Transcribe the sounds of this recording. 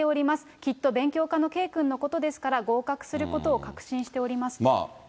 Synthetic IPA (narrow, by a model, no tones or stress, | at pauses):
e̞o̞ɾʲimasɨ̥kʲit̪ːo̞bẽ̞ŋkʲo̞ːkano̞ke̞ːkɯ̟̃nːo̞ko̞t̪o̞d̪e̞sɨ̥kaɾaɡo̞ːkakɯ̟̥sɨɾɯ̟ko̞t̪o̞ːkakɯ̟̥ɕĩɰ̃ɕi̥t̪e̞o̞ɾʲimasɨ̥ma̰ː